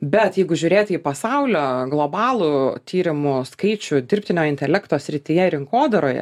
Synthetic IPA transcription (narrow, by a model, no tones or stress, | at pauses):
bʲɛt̪jɛɪɡʊʒʲuːɾʲeːt̪ʲiːpɐsɐʊlʲoːɡlˠoːbɑːlˠʊt̪ʲiːɾʲɪmʊskɐɪt͡ʃʲʊd̪ʲɪrʲpʲt̪ʲɪnʲoːjɪnʲt̪ʲɛlʲɛkt̪oːsʲɾʲɪt̪ʲɪjɛɾʲɪŋkoːd̪ɐɾoːjɛ̰